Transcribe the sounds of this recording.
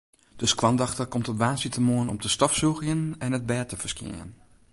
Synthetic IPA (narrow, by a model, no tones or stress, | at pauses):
d̥øskʋɑndɑxtəkɔmtɔtʋaːsitəmoənɔ̰mtʰəstɔfsuxjənɛnət̚bɛːtəfərskɪ̰ən